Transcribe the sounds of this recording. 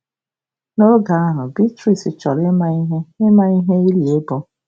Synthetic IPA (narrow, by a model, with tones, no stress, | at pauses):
no˦ɡa˨a˦ɦʊ˨bi˦tɾi˨sɪ˨t͡ʃɔ˨ɾɪ˦ma˦i˦ɦe˦ɪ˦ma˦i˦ɦe˦i˦li˨e˦bɔ˦